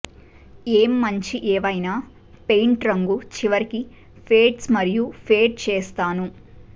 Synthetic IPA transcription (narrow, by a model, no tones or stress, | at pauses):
eːmːɐɲt͡ʃiʔɛːʋɐjnaː | pejɳʈɾɐŋɡut͡ʃiʋɐɾiki | pʰeːʈsmɐɾijupʰeːʈ̚t͡ʃeːst̪aːnu